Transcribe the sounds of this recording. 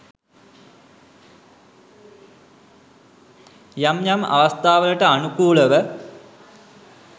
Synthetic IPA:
jɐmjɐmɐ̰ʋɐst̪ʰaːʋɐlɐʈəanukuːɭəʋə

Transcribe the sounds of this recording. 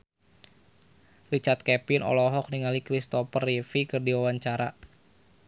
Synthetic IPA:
rit͡ʃart̪̚kɛpɪnɔ̰lɔɦɔk̚niŋalikɾist̪ɔfərifikɨrdiwawaɲt͡ʃaɾa

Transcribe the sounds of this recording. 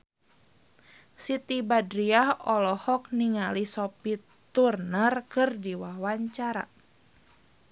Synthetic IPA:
sit̪ibadɾiahɔlɔhɔk̚niŋalisɔpi | t̪urnərkɨrdiwahwaɲt͡ʃaɾa̰

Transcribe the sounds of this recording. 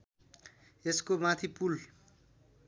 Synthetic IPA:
eskomãt̪ʰipul

